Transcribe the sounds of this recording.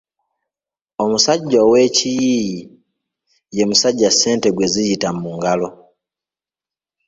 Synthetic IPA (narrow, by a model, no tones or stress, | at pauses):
o̞musaɟːawe̞cijiji | je̞musaɟːase̞ːnte̞ɡwe̞zijitamuŋɡalo̞